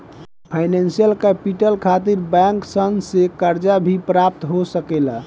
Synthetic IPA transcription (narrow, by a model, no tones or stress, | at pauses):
pʰajnensijəlkəpiʈəlkʰat̪iɾbɛ̃ŋksənɡsekəɾd͡ʒabʱipɾap̚t̪ɦosəkela